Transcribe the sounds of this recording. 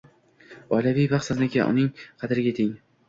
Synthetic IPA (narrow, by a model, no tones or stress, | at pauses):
ɒjlavijbaqsaznɪkʲa̰ʔʊ̰nɪŋqʰɑd̪ɪɾɪɡʲat̪ʰɪŋ